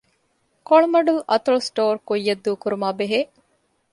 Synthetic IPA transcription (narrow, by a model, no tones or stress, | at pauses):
koɭmɐɖulʔɐ̰t̪ɐlsʈoːɾkujːɐd̪ːuːkuɾumaːbeɦeː